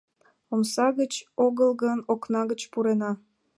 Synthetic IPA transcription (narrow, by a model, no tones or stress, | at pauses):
omsɑɣət͡ɕoɣəlɣənoknɑɣət͡ɕpuɾenɑ